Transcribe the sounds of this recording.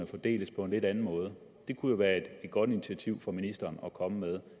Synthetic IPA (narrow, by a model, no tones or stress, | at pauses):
əfɒd̥e̝̰ːləspʰɒ̽e̝nle̝d̥ænn̩mɔ̽ːð̞̩ˠə | d̥e̝kʰujo̝ʋæːɐe̝d̥ed̥̚ɡ̥ɒ̽d̥init͡sʰiæt͡sʰiʊ̰fɒ̽minisd̥ɐːnɒ̽kʰɒ̽məmeð̞ˠ